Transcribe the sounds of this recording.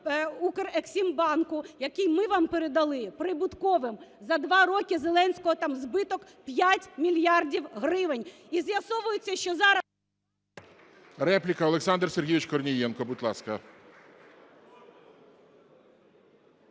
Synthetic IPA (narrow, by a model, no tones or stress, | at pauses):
ukereksʲimbɑnkʊjɐkijmɪʋɑmpeɾed̪ɐlˠɪpɾɪbʊt̪kɔʋɪmzɐd̪ʋɑɾɔkʲɪzelˠɛnʲsʲkɔɦɔt̪ɑmzbɪt̪ɔk | pʲjatʲmʲilʲjɑrdʲiwɦrɪʋenʲ | izjɐsɔʋʊjʊt͡sʲːɐʃt͡ʃɔzɑɾɐ | ɾɛplʲikɐɔleksɑnd̪rserɦʲiʋʲɪt͡ʃkɔrnʲijɛnkɔbuʊt̪ʲlˠɑskɐ